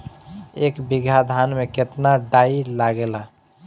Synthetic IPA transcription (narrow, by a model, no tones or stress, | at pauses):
ekbiɡʱad̪ʱanmeket̪naɖailaɡela